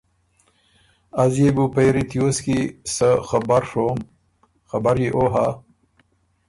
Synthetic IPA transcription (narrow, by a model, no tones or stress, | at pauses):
azjebupejɾit̪ijoskisəxabaɾʂom | xabaɾiʔoɦa